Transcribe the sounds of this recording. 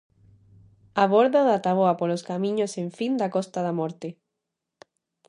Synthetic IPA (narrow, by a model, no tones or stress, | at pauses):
aβoɾðaðat̪aβ̞oapoloskamĩɲosẽɱfind̪akɔst̪aðamɔɾt̪e